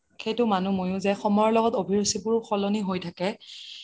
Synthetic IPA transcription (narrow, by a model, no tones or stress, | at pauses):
xejtʊmanumojʊ̃zɛxɔmɔjɔlɔɡɔtobʱiɹosibʊɹxɔlɔniɦojtʰakɛ